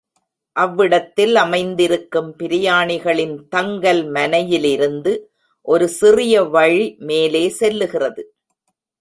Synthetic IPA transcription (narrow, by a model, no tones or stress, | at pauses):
ʔɐʋːɪɽɐt̪ːɪlɐmɐɪnd̪ɪɾɯkːɯmpɪɾɪjaːɳɪɣɐɭɪnt̪ɐŋɡɐlmɐnɐjɪlɪɾɯnd̪ɯ | ʔɔɾɯsɪrɪjɐʋɐɻimeːleːsɛlːɯɣɪrɐðɯ